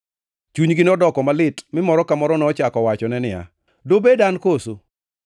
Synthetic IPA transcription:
t͡ʃuɲɡɪnɔdɔkɔmalɪtmɪmɔɾɔkamɔɾɔnɔt͡ʃakɔwat͡ʃɔnɛnɪa̰ | dobedankoso

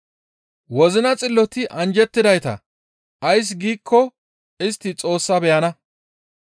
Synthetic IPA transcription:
wɔzɪnɐt͡sʼɪlːɔt̪ɪʔɐnd͡ʒɛt̪ːɪd̪ɐjt̪ɐ̰ | ʔɐjs̬ɡiːkʰːɔ | ɪst̪ːɪt͡sʼo̞ːsːɐbɛjɐnɐ

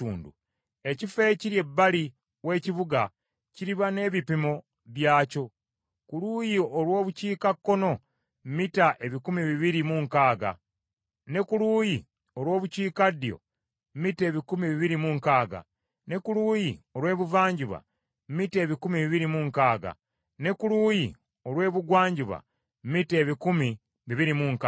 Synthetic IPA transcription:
uːndu | e̞cife̞ciɾje̞bːali | we̞ːciβuɡa | ciɾiβane̞ːβipimo̞ | βjaːco̞ | kuluːjioɾwo̞ːβuciːkakːo̞no̞ | mmitaʔe̞βikumiβiβiɾimuŋkaːɡa̰ | ne̞kuluːji | o̞ɾwo̞ːβuciːkadijo̞̰ | mmite̞ːβikumiβiβiɾimuŋkaːɡa̰ | ne̞kuluːjio̞ɾwe̞ːβuvaːɲɟiβa̰ | mmite̞ːβikumiβiβiɾimuŋkaːɡa̰ | ne̞kuluːjḭ | o̞ɾwe̞ːβuɡwaːɲɟiβa̰ | mmite̞ːβikumi | βiβiɾimuŋka

